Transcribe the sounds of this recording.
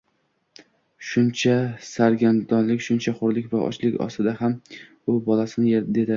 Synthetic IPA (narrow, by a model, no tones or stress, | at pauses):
ʃʊnt͡ʃʰasaɾɡʲand̪ɒnlɪkʲʃʊnt͡ʃʰaχʊɾlɪkʲvaʔɒ̰t͡ʃlɪkʲɒ̰st̪ɪd̪aham | ʊbɒlasɪnɪjed̪e̞d̪ɪ